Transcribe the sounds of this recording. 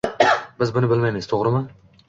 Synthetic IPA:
bɪzbʊnɪbɪlmajmɪz̥t̪ʰoʁɾɪma

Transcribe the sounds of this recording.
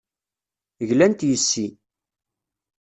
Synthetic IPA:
əʝlænt̪jəsːi

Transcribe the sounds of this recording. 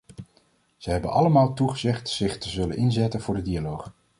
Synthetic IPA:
z̥əɦɛbənʔɑləmaːlˠtuχəzɛχtsɪχtəzɵlə̰nʔɪnzɛtənvʊːɹdədialowχ

